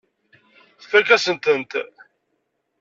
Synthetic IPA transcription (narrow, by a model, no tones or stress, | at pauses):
θfəɾkæsənt̪ənt̪